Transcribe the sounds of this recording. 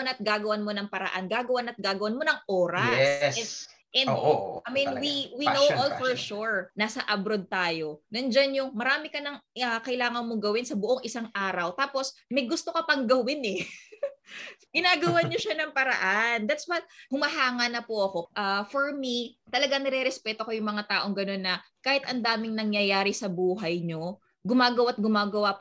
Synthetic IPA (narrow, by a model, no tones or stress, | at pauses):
nɐt̪̚ɡaːɡɐwanmo̞nɐŋpɐɾɐ̰ʔa̰nɡaːɡɐwanɐt̪̚ɡaːɡɐwanmo̞nɐŋʔoːɾɐɛsssɛ | ʔɛn̰ʔaminwiwinowʔolfɔɹʃuɹnaːsɐʔɐbɾod̪̚t̪aːjo̞nɐnd͡ʒanjʊŋmɐɾaːmɪkɐnɐŋɐkɐʔɪlaːŋɐnmoɡɐwɪnsɐbʊʔoŋʔɪsaŋʔaːɾɐwt̪aːpo̞smɐjɡʊst̪o̞kɐpɐŋɡɐwɪnɛ | ɡ̥ɪnaːɡɐwaɲoʃanɐŋpɐɾɐ̰ʔand̪at̪swɐt̪̚hʊmɐɦaːŋɐnɐpoʔɐko̞ʔafoɹmit̪ɐlɐɡaŋnɛɾɛɾɛspɛt̪o̞kojʊŋmɐŋat̪aːʔo̞ŋɡɐno̞nːɐkaːhɪt̪ʔɐnd̪aːmɪŋnɐŋjɐjaːɾisɐbuːɦɐjɲo̞ | ɡʊmaːɡɐwat̪̚ɡʊmaːɡɐwap